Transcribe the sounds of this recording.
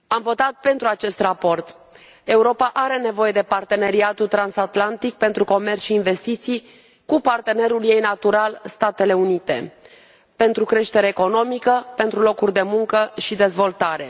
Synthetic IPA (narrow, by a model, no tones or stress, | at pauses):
amvo̞t̪at̪̚pe̞nt̪ɾuat͡ʃe̞st̪rapo̞rt̪ | e̞uɾo̞paʔaɾe̞ne̞vo̞je̞d̪e̞part̪e̞ne̞ɾiat̪ult̪ɾansat̪lant̪ik̚pe̞nt̪ɾuko̞mert̪sʃiːnve̞st̪it̪sij | kupart̪e̞ne̞ɾulje̞jnat̪uɾalst̪at̪e̞le̞unit̪e̞̰ | pe̞nt̪ɾukɾe̞ʃt̪e̞ɾeːko̞no̞mikəpe̞nt̪ɾulo̞kurʲd̪e̞muŋkəʃid̪e̞zvo̞lt̪aɾe̞̰